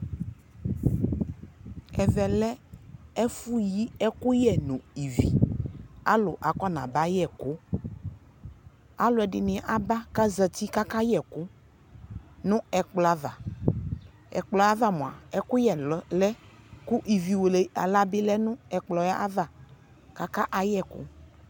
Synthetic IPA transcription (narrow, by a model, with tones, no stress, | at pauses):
ɛ˨vɛ˨lɛ˦ɛ˦fu˦ji˦ɛ˦kʊ˦jɛ˨nũ˨i˨vḭ˨ | a̰˦lʊ˨ʔa˨kɔ˦nã̰˨ba˦jɛ˨kʊ˦ | a˦lʊ˨˦ɛ˨ɖɪ˨nɪ̃˨ʔa˨ba˦ka˦zə˨t̪i˦ka˦ka˦jɛ˨kʊ˦ | nʊ̃˦ɛ˨k͡plɔ˨a˦va˨ | ɛ̰˨k͡plɔ˨a˦va˦mɔ̃˨a̰˨ɛ˦kʊ˦jɛ˨˦lɛ˦ | ku˦ʔi˨vi˨wo˨le˨a̰˨la˦bɪ˦lɛ˦nʊ̃˦ɛ˨k͡plɔ˨ja˦ʔa˦va˨ | ka˦ka˦ʔa˨jɛ˦˨kʊ̰˦